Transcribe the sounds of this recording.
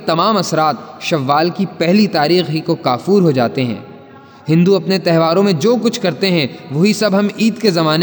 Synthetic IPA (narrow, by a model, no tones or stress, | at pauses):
t̪ɐmaːmɐsɾaːt̪ʃɐʋːaːlkipɛɦlit̪aːɾiːxɦikokaːfuːɾɦod͡ʒa̰ːt̪eɦɛ̰̃ː | hɪ̃nd̪uɐpnet̪ɛɦʋaːɾõmẽd͡ʒoːkʊt͡ʃʰkɐɾt̪eɦɛ̃ʋoɦisɐbɦɐmiːd̪kezɐmaːne